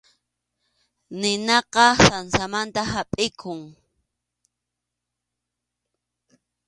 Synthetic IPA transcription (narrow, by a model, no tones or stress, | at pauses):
nɪnɑqɑsansamant̪ahapʼɪkʰʊŋ